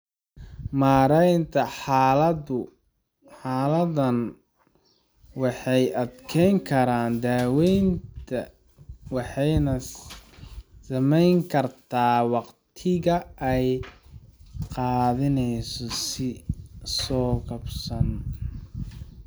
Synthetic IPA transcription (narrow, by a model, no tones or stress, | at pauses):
maːɾɛjnt̪ʰɐħlɐʊ | ħaːlɐðɐn | wɑħɑjʔɐd̪kʰɛjŋkʰɐɾaːnd̪aːwɛjnt̪ʰɐ | wɑħɑjnɐ | sɐmɛjŋkʰɐrt̪ʰaːwɑqt̪ʰɪɣɐʔɛj | qɑːðɪnɛjsɔsɪsɔːkɐbsɐn